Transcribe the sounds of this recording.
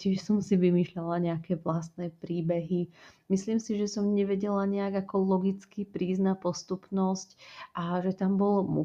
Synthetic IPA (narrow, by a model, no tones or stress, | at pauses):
cɪɛʃsɔmsiʋimiːʃlalaɲɛakɛːʋlast̪nɛːpɾiːbɛɦimisliːmsiʒɛsɔmɲɛʋɛɟɛlaɲɛaɡakɔlɔɡit͡skipɾiːznapɔst̪upnɔscʔaʒɛt̪ambɔlmṵ